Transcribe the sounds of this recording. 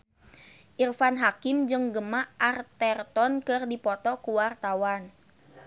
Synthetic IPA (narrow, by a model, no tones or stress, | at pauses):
ʔirfanɦakɪmd͡ʒɨŋɡəmaʔart̪ɛrt̪ɔnkɨrdipɔt̪ɔkuwart̪awan